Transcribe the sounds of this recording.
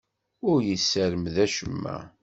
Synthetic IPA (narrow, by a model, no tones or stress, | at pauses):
ʊɾjəsːæɾəmðæʃəmːæ̰